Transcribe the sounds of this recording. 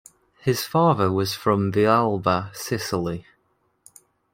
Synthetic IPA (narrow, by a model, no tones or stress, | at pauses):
hɪz̥fɑːðəwɒz̥fɹə̃mðialˠbəsɪsɪli